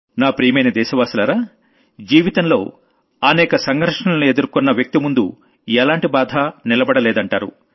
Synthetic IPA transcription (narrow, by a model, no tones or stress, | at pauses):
naːpɾiːmejnɐd̪ɛːʃɐʋaːsulaːɾaː | d͡ʒiːʋit̪ɐnlo̞̰ː | ɐnɛːkɐsɐŋɡʱɐɾʂɐɳɐlɐnue̞d̪uɾkɔnːɐʋjɐk̚t̪imund̪ṵ | ɛlaːɳʈibaːd̪ʱaːnilɐbɐɽɐlɛːd̪ɐɳʈaːɾṵ